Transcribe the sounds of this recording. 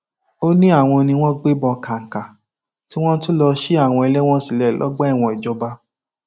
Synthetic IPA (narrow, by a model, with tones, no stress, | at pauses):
o˦nĩ˦a˦˨w̃ɔ̃˧nĩ˧w̃ɔ̃˦ɡ͡be˦bɔ̃˧ka˨ŋ̩˨ka˨ | ti˦w̃ɔ̃˦n̩˦tu˦lɔ˧ʃe˦a˦˨w̃ɔ̃˧ɛ˧lɛ˦w̃ɔ̃˦si˨lɛ˦˨lɔ̰˨˦ɡ͡ba˦ɛ˦˨w̃ɔ̃˧˨i˨d͡ʒɔ˧ba˧˦